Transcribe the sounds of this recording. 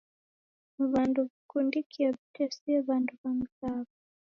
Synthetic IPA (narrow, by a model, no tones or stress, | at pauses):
βanduβikundikʰiɛβitʰɛsiɛβanduβam̩kaβɔ